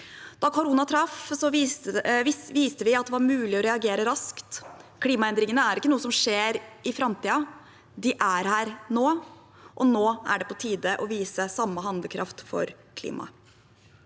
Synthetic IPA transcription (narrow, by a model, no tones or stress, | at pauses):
d̪̥ɑkʰʊɾuːnɑt̪ʰɾɑfsɔ | ɪʋiːst̪əʋɪɑt̪̚d̪ɛʋɑɾmʉːlɪɔɾɛɑɡeːɾəɾɑskt̪kʰliːmɑɛnd̪ɾɪŋənəæɾɪkːənuːəsɔmʂeːɾɪfɾɑmt̪iːɑ | d̪ɪʔæɾhæːɾnoː | ʔɔnoːæ̰ɖɛpʰɔt̪ʰiːd̪əʔɔʋiːsəsɑmːəɦɑnd̪əkʰɾʔɑft̪fɔ̰ɾ | kʰlḭːmɑ̰